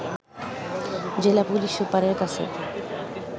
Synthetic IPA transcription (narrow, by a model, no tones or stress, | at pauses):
d͡ʑelapuliʃupːaɾeɾkat͡ɕʰḛ